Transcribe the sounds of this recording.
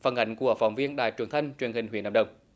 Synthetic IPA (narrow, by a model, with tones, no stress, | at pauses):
faə˧˩nʔa˧˨˦jŋ̟ku˧˩əfa˨˧˩wŋ͡mvi˧ənɗaː˧˨˩jt͡ɕwəŋt̪ʰə˧ŋ̟t͡ɕwi˨ənhï˨˩ŋ̟wi˧˩ənʔə̰˨˧˩ŋ͡mɗə˨˩wŋ͡m